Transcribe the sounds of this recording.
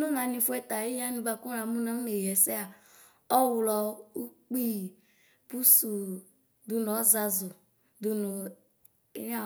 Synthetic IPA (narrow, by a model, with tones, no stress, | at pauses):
nũ˦nã˧nĩ˧fu˦ɛ˦˨t̪a˨i˦ja˦nĩ˧ba˨kũ˦ɾa˨˦mũ˦nã˦ne˨ɦɛ˨sɛ˦a˨ | ɔ˦wu˨lɔ˨u˦k͡pi˦˨ | pu˦su˨ | d̪u˧n˨ɔ˨˦za˧zʊ˨ | d̪u˧nu˨˦ | a˦